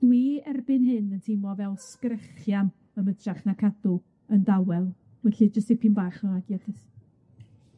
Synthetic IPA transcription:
d̥wiɛrbɨnhɨnəntʰɪmɔvɛlˠskrəχjam | əmədʰraχnakʰadʊ | əndawɛlˠ | wɛɬid͡ʒəstepʰinbaːχɔaɡjadɪθ

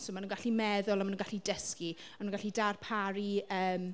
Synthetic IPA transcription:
somanunɡaɬimɛðʊlˠamanũnɡaɬidəski | amanunŋɡaɬidarpʰaɾiəːm

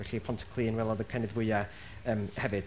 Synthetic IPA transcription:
ɛɬiəpʰɔntʰə̥kʰlˠiːnwɛlˠɔðəkʰajndɪðwʊɨa | əːmhɛvɨd̥

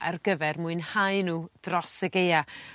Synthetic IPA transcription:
ʔa̰rɡəvɛrmuɨnhajnuːd̥rɔsəɡeja

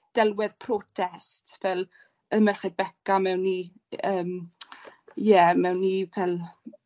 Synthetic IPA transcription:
d̥ɛlˠwɪðpʰrɔːtʰɛstvɛlˠ | əmərχebɛkamɛwnːi | əːm | jɛmɛwnːivɛlˠ

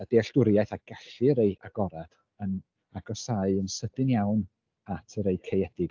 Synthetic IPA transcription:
əd̥eːɬd̥ʊɾjaɨθaɡ̥aɬɨəɾejaɡ̥ɔɾad̥ | ən | aɡɔsaɨənsədɪnjawn | atʰəɾejkʰejɛdɪɡ

